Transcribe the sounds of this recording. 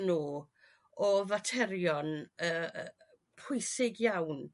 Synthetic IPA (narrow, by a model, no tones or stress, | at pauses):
nuː | ɔvatʰɛɾjɔnəː | pʰʊjsɪɡjawn